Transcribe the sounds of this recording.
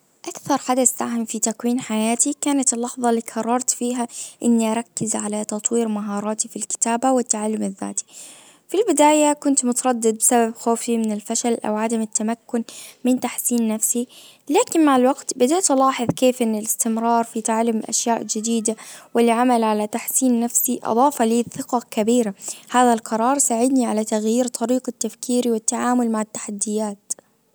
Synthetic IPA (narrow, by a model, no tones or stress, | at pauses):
ʔakθɑɾˤħad̪aθːaɦɪmfit̪akwiːnħajaːt̪ikaːnat̪ɪlːɑħðˤɑlːiːkʰɑrˤːɑɾˤt̪fiːɦaʔɪnːiʔaɾˤɑkːɪzʕalat̪ɑt̪ˤwiːɾmaɦɑːɾˤɑːt̪ifilkɪ̥t̪aːbawɪt̪ːaʕalːʊmɪðːa̰ːt̪i̥ | filbɪd̪aːjakʊnt̪mʊt̪ɑɾˤɑd̪ːɪd̪̚bɪsababxoːfimɪnɪlfaʃalʔa̰wʕad̪amɪt̪ːamakːʊnmɪnt̪aħsiːnːafsi | laːkɪnmaʕɪlwaɡt̪bɪd̪iːt̪lɑːħɨðˤkeːfʔɪnːɪlɪst̪ɪmɾˤɑːɾˤfit̪aʕalːʊmʔa̰ʃjaːʔd͡ʒɪd̪iːd̪awɪlʕamalʕalat̪aħsiːnːafsiʔɑ̰d̪ˤɑːfɑliːθɪqɑkabiːɾahaːðalqʰɑɾˤɑːɾˤsaʕɪd̪niʕalat̪aɣjiːɾt̪ʰˤɑɾiːqat̪ːafkiːɾiwɪt̪ːaʕaːmʊlmaʕɪt̪ːḁħad̪ːɪjaːt̪